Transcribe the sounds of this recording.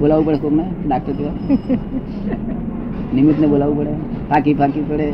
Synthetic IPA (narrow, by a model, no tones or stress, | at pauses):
bolaːʋupəɽeskomeɖak̚ʰt̪əɾt̪io | nimit̪nebolaːʋupəɽepʰakipakipəɽe